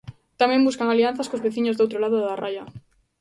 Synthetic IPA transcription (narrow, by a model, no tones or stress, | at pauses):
t̪amẽmbuskaŋalian̟θaskozβeθiɲozd̪owt̪ɾolaðoðaraja